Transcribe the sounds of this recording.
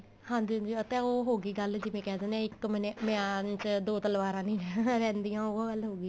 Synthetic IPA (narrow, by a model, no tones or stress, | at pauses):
hãːd͡ʒid͡ʒiːət̪ɛ̃ːoːɦoːɡiːɡəld͡ʒɪmẽːkɛːd̪eːnẽɪkmənemɛaːnt͡ʃd̪oːt̪əlʋaːɾãːnĩːnːɾɛ̃ːnd̪ijãːoːɡəlɦoːɡiː